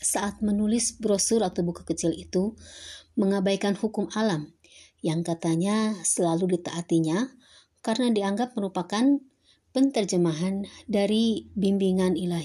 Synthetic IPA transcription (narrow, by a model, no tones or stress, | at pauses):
saʔːt̪̚mənulɪsbɾosʊɾat̪ubukḁkət͡ʃɪlit̪u | məŋabajkanhukʊmalam | jaŋkat̪aɲasəlaludit̪aʔːt̪iɲa | kaɾnadiaŋɡap̚məɾupakan | pənt̪ərd͡ʒəmaɦandaɾibimbiŋanilaɦi